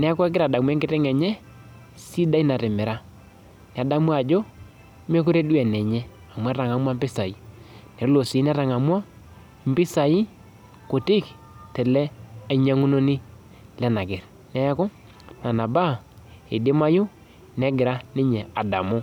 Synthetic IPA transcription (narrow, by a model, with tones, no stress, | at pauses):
nɛ˦a˦kɔ˦ɛ˦ɡɪ˦ɾa˨da˨mu˦ɛ˦ŋɡɪ˦tɛ˦ŋɛ˨ɲɛ˦ | si˦da˦i˦na˨ɾɪ˨mɪ˨ɾa˦ | nɛ˨a˨da˦mu˦a˨d͡ʒo˦ | me˦kʊ˦ɾe˦dwɛ˨nɛ˨ɲɛ˦ | a˨mwɾa˨ŋa˦mwa˦mbɪ˦sa˨i˦ | nɛ˨˦lo˨si˨˦n˦a˦ɾa˨ŋa˨mwa˦ | m̩˦bɪ˦sa˨i˦ | ko˨tɪ˦˨k | tɛ˨lɛ˦a˨˦i˦ɲa˦ŋu˦no˦ni˦ | lɛ˦na˨kɪ˨ɾ | nɛ˦ja˦ko˦ | na˨na˨ba˦e˨de˦ma˦jʊ˦ | nɛ˦ɡɪ˨ɾa˦nɪ˦ɲɛ˨a˨da̰˨mʊ˦